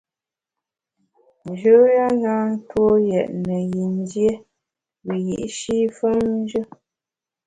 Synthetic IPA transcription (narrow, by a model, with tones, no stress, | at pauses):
nd͡ʒə˨˦ja˦ŋ˦ɡa˦n̩˦two˦jɛ˨ʔnə˨ji˨n˦dje˦ | bi˨ji˨ʔʃi˦fə˦m˦n˦d͡ʒə˦